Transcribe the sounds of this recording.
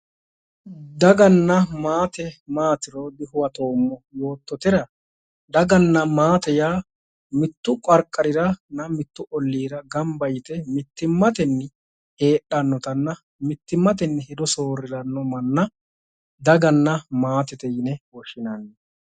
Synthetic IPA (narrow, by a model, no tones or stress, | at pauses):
d̪ɐɡɐnːɐmaːt̪ɛmaːt̪ɪɾɔd̪ɪɦʊwɐt̪o̞ːmːɔjo̞ːt̪ːɔt̪ɪɾɐ | d̪ɐɡɐnːɐmaːt̪ɛjaː | mɪt̪ːʊkʼɐɾkʼːɐɾɪɾɐnɐmɪt̪ːʊʔɔlːiːɾɐɡɐmbɐjt̪ɛmɪt̪ːɪmːɐt̪ɛnːɪ | he̞ːɗːɐnːɔt̪ɐnːɐ | mɪt̪ːɪmːɐt̪̬ɛnːɪhɪd̪ɔso̞ːɾɪɾɐnːɔmɐnːɐ | d̪ɐɡɐnːɐmaːt̪ɛt̪ɛjɪnɛwɔʃɪnɐnːɛ